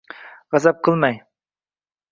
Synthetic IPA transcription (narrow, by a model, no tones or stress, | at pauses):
ʁɑzɑp̚qʰɨlˠmɑj